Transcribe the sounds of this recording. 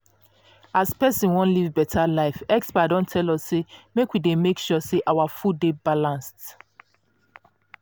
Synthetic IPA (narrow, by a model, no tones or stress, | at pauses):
aspɛsĩnwɔ̃nlivbɛtʰalaɪfɛkspadɔ̃ntʰɛlɔsːemekwidemekʃɔseʔawafudebalãnst